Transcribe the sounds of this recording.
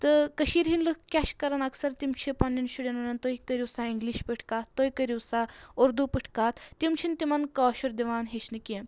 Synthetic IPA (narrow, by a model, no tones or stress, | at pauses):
t̪ɨkɐʃiːɾɦinlɨkkʲɐʃkɐɾɐnɐksɐɾt̪imt͡ʃʰipɐnːinʃuɽenɐnɐnt̪oikɐɾuwsaːiŋɡliʃpiʈʰkaːt̪t̪ːojikɐɾiwsaːoɾd̪upiʈʰkaːt̪ʰt̪ːimt͡ʃʰint̪imɐnkɔːʃuɾd̪iʋaːnɦet͡ʃʰnɨkiɐn